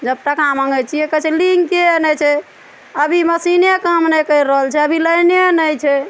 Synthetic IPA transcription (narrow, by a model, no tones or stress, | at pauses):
d͡ʒəb̚ʈakamãŋɡɛt͡ʃʰijɛkət͡ʃʰɛliŋkenɛt͡ʃʰɛ | əbʱiməsinekəmnɛkəɾːəɦəlt͡ʃʰɛəbʱiləjnenəjt͡ʃʰɛ